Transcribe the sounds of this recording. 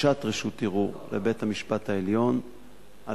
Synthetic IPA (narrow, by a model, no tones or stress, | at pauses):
atʁeʃut̪iʁuʁlḛbe̞thamiʃpathaeljo̞n | ʔa